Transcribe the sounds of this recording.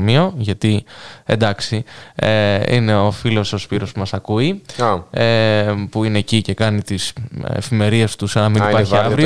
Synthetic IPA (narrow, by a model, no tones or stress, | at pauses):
mio̞ʝɐt̪ie̞̰nd̪ɐksieḭne̞o̞filo̞sospiɾo̞spumɐsɐkui | epuine̞ːcice̞kɐnit̪isḛfime̞ɾie̞st̪usɐnɐminipɐɾçiɐvɾio